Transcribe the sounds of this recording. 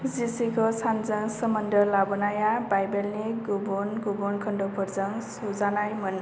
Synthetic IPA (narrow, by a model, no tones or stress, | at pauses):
d͡zisikosand͡zʌŋsʌmʌnd̪ʌlabɔnajabajbelneɡobonɡobonkʰʌɳɖopʰʌɾd͡zʌŋsod͡zanajmʌn